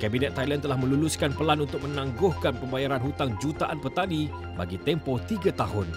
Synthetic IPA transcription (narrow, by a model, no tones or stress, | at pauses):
kabinɛt̪ːajlant̪əlahmə̃luluskanpəlanunt̪ʊk̚mə̃nãŋɡʊhkanpəmbajaɾanɦut̪aŋd͡ʒut̪aʔanpərt̪adi | ba̰ɡit̪ɛmpot̪iɡat̪aɦʊn